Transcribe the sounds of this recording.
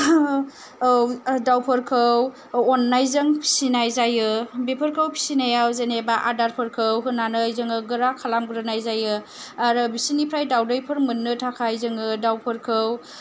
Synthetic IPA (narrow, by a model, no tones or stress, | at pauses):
wdawpʰɯɾkʰɯw | ɔnːajzɯŋpʰi̥sinajzajɯbepʰɯɾkʰɯwpʰi̥sinajawzenebaʔadaɾpʰɯɾkʰɯwɦɯnːanɯjzɯŋɯɡɯɾakʰalamɡɯɾɯnajzajɯ | aɾɯbisinipʰɾajdawdɯjpʰɯɾmɯnːɯtʰakʰajzɯŋɯdawpʰɯɾkʰɯw